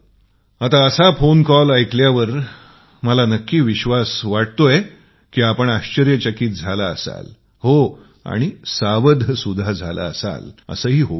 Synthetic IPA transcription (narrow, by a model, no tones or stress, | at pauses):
at̪aəsafonkɔlajkljaʋəɾ | məlanəkːiːʋiɕʋasʋaʈ̚t̪oje | kiːapəɳaɕt͡ɕəɾjət͡ɕəkiːt̪̚d͡zʱalaəsa̰l | ho | a̰ɽ̃isaʋəd̪ʱəsud̪ʱad͡zʱala̰ə̰sa̰lə̰səːɦiːɦo